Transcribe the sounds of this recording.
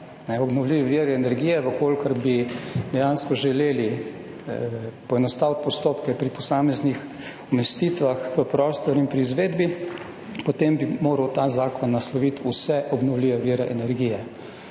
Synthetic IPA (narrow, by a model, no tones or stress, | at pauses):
nɛɔbnɔwliːʋɛʋiːɾɛɛnɛɾɡijɛʋəkoːlkəɾbid̪ɛjanskɔʒɛleːli | pɔɛnɔst̪aːwt̪̚pɔst̪oːpkɛpɾipɔsaːmɛznix | ɔmɛst̪iːt̪ʋaxʋəpɾɔːst̪ɔɾinpɾiːzʋeːd̪bi | pɔt̪embimoːɾəwt̪aːzaːkɔnːaslɔʋit̪usɛʔɔbnɔwliːʋɛʋiɾɛʔɛnɛɾɡiːjɛ